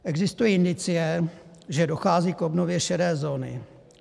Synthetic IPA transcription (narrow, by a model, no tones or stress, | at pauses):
ʔɛɡzɪst̪ujiːɪndɪt͡sɪjɛʒɛdo̞xaːziːkobnovjɛʃɛɾɛːzo̞ːnɪ̰